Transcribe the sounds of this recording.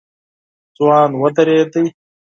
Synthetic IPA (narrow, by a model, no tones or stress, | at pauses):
t͡swaːnwɐt̪ɐɾeːt̪əj